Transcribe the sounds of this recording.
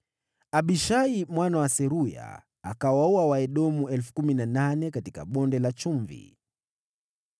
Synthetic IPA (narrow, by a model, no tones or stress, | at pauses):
aɓiʃaimwanawasɛɾuja̰ː | kawauawaɛɗɔmuɛlfu̥kuminananɛkatika̰ɓɔndɛlat͡ʃuɱvḭ